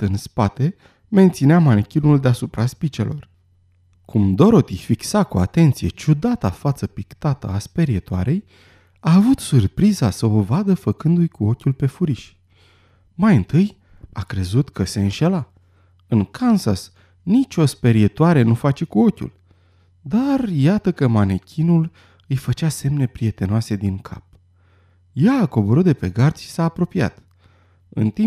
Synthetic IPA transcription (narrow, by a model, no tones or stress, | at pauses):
ɨnspat̪e̞ | me̞nt̪sineamankʲinuld̪easupɾaspit͡ʃe̞̰lʔo̞̰r | kumd̪o̞ɾo̞t̪ijfiksakua̰t̪e̞nt̪sije̞t͡ʃud̪at̪afat̪səpikt̪at̪ə̰aspe̞ɾiet̪oa̰ɾe̞j | aːvut̪surpɾizasəovad̪əfəkɨnd̪ujkuo̞kʲulpe̞fuɾiʃʲ | majɨnt̪ɨj | a̰kɾe̞zut̪kʰəse̞ɨnʃe̞la | ɨŋkʰansas | nit͡ʃʲo̞spe̞ɾit̪oaɾe̞nufat͡ʃe̞kuo̞kʲṵl | d̪arjat̪əkəmanekʲinul | ɨjfət͡ʃase̞mne̞pɾije̞t̪e̞noase̞d̪iŋkʰa̰p̚ | jaːko̞bo̞ɾut̪̚d̪e̞pe̞ɡard̪sʃi̥saːpɾo̞pia̰t̪ | ɨ̰nt̪i